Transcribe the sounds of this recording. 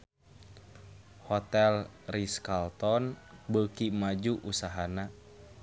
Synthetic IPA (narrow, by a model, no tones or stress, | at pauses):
hɔt̪ɛlriskalt̪ɔnbəkimad͡ʒuʔusaɦana